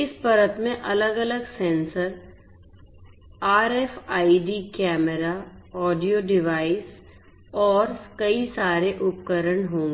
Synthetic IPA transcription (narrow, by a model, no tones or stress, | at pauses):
ɪspɐɾət̪mẽʔɐləɡɐləɡsɛ̃ːnsəɾ | aːɾɛːfaːiɖiːkɛːməɾaɔːɖijoɖɪʋaːɪs | ɔːɾkɐisaːɾeʔʊp̚kəɾəɳɦõːŋɡe